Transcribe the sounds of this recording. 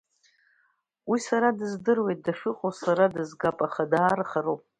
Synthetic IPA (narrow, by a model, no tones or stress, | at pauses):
wisaɾadɨzdɨrwe̞jt̚daʂɨqʼosaɾadɨzɡapʼaχadaːrχaropʼ